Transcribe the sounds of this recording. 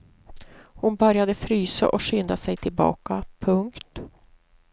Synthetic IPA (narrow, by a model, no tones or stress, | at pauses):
hʊnbœɾjad̪əfɾyːsa̰ʔɔɧʏnd̪asɛjt̪ʰɪlbɑ̰ːkapʰɵŋkt̪